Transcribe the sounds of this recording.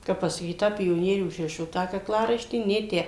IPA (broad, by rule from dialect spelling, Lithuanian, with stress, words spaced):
ˈkɐp pɐsɐˈkʲiːt ˈtɑː pʲoːˈnʲiɛrʲuː ʊʒʲˈrʲɪʃoː ˈtɑː kɐkˈlˠɑːrɐɪʃʲtʲiː ˈnʲeː ˈtʲæː